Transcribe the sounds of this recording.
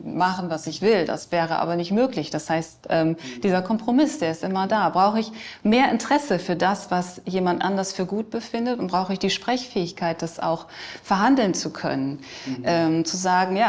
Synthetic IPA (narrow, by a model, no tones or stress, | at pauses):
maχən̩vasɪçv̥ɪlda̰sv̥ɛːʁ̞əʔa̰ːbɐnɪçtmøːklɪçd̥ashaɪstʔɛːmd̥iːzɐkʰɔmpʁ̥omɪsd̥eːɐɪstʔɪmɐdaːbʁaʊxəɪçmeːɐʔɪntəʁ̥ɛsəfyːɐdasv̥asjeːmantʔa̰ndɐsfyːɐɡuːt̚b̥əfɪndətʊntbʁ̥aʊxəɪçd̥iːʃpʁ̥ɛçfɛːɪçkʰaɪt̚d̥asa̰ʊxfɛɐɦandl̩nt͡sukʰœ̰nənʔɛːmt͡suzaːɡŋ̩jaː